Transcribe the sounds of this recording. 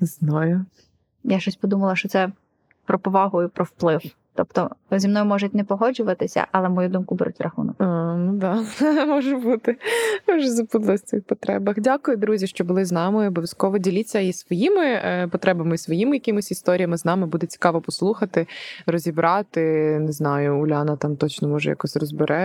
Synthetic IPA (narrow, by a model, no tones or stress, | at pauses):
znɔjʊ | jaʃt͡ʃɔsʲpɔd̪umɐlˠɐʃt͡ʃɔt̪sɛ | pɾɔpɔʋɑɦʊʊpɾɔwplˠɪw | t̪ɔpt̪ɔzʲimnɔjʊmɔʒʊt̚ʲnɛpɔɦɔd͡ʒʊʋɐt̪ɪsʲɐ̰ʔɐlˠɛmɔjud̪umkʊbɛɾutʲrʔɐxṵnɔknud̪ɑmɔʒɛbut̪ɪmɔʒɛzɐbud̪lˠɐsʲt̪t͡s̪ɪxpɔt̪ɾɛ̰bɐxdʲakʊjʊd̪ɾuzʲiʃt͡ʃɔbʊlˠɪznɑmɪɔbɔʋʲjɐskɔʋɔdʲilʲit͡sʲːɐisʋɔjimɪpɔt̪ɾɛbɐmɪisʋɔjimɪjɐkɪmʊsʲist̪ɔɾʲijɐmɪznɑmɪbud̪ɛt͡sʲi̥kɑʋɔpɔslˠuxɐt̪ɪɾɔzʲibɾʔɑt̪ɪnɪznɑjʊːlʲɑnɐt̪ɑmt̪ɔt͡ʃnɔmɔʒɛ̰jɐ̰kɔsʲrɔzbɪɾʔɛ